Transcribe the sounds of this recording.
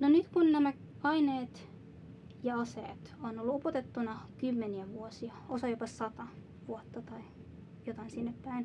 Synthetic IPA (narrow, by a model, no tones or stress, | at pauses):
nonyt̪kunnæmæɑineːt̪ | jɑɑsḛːt̪onolːuopot̪et̪ːunɑkymːeniæʋuosiɑosɑjopɑsɑt̪ɑ | ʋuot̪ːɑt̪ɑi | jot̪ɑinsinːepːæin